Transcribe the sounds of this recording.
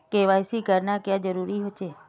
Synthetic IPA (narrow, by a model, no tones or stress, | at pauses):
keʋajsikəɾnakjãd͡ʒəɾuɾiɦot͡ʃʰe